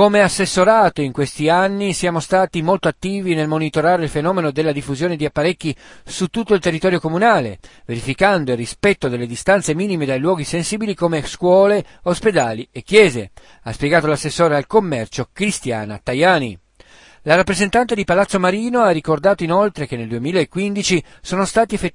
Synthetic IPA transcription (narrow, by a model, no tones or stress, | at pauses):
komeasːesːoɾaːt̪oiŋkwest̪ianːisjaːmost̪aːt̪imolt̪oat̪ːiːvinelmonit̪oɾaːɾeilfenɔːmenod̪elːad̪ifːuzjoːned̪iapːaɾekːisut̪ːut̪ːoilt̪erːit̪ɔːɾjokomunaːlḛveɾifikand̪oilrispɛt̪ːod̪elːed̪ist̪ant̪semiːnimed̪ajlwɔːɡisensiːbilikomeskwɔːleosped̪aːliekːjɛːzḛ | aspjeɡaːt̪olasːesːoːɾealkomːɛrt͡ʃokɾist̪ja̰ːna̰t̪ajaːni | larapːɾezent̪ant̪ed̪ipalat̪sːomaɾiːnoarːikord̪aːt̪oinolt̪ɾekenːeld̪uemiːlaekːwind̪it͡ʃi | soːnost̪aːt̪iefe